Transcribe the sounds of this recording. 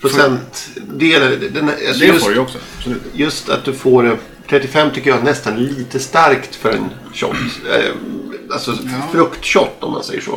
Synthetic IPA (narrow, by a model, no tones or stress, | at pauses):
pʰɾʊsɛnt̪d̪eːlad̪ɛnalsɔjɵsɔksɔ | jɵst̪ʰat̪̚d̪ɵfoːɾ | t̪ʰɾɛt̪ːɪfɛmːt̪ʰʏkːəjaɡnɛst̪anliːt̪əst̪aɾkt̪fœɾɛ̰n | ɕɔ̰t̪ː | alsɔfɾɵkt̪ɕɔt̪ːɔmːa̰nsɛjːə̰ʂo̰ː